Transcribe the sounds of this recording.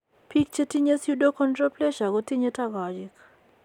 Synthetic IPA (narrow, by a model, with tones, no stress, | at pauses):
pi˦k̚t͡ʃe˦ti˦ɲe˦sju˦do˦kʰɔ˦ntrɔ˦plɛ˦ʃa˨ɣɔ˦ti˦ɲe˦ta˦ɡa˨d͡ʒi˦k